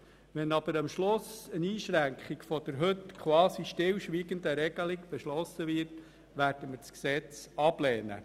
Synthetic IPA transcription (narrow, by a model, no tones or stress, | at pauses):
ʋɛnɑb̥əɾɑmʃlʊsəniːʃɾæŋkχikfɔd̥̪əɾɦɵtkʰwɑːsiʃtɪlʃʋiːɡənd̪əɾɛɡ̥əliɡb̥ɛʃlɔsəʋɪːɾt | ʋæːɾd̥əməsksɛt͡sɑb̥lɛːnə̰